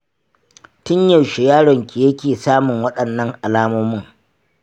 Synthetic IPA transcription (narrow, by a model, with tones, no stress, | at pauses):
tɪ˦ɲjɐ˨ʃe˨jaː˦ɽɔ˨ŋkʲi˨jɐ˦kʲeː˨saː˦mʊ˨ŋwɐ˦ɗɐ˨nːɐ˦ŋʔa˨laː˦moː˦mʊ˦ŋ